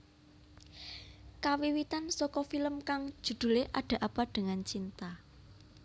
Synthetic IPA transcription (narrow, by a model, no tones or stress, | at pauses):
kawiwit̪ansɔkɔfiləmkaŋ̥ʒ̥ṳd̪̥ṳleʔaɖ̥ä̤ʔab̥a̤ɖ̪̥ə̤ŋant͡ʃint̪a